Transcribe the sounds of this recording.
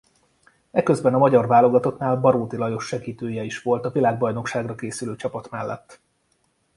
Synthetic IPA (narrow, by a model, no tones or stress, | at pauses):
ɛkø̞zbɛnɒmɒɟɒrvaːlo̞ɡɒt̪o̞knaːlbɒɾoːt̪ilɒjo̞ʃːɛɡiːt̪øːjɛiʃʋo̞lt̪ɒvilaːɡ̚bɒjno̞kʃaːɡrɒkeːsyløːt͡ʃɒpɒt̪mɛlːɛ̰t̪ː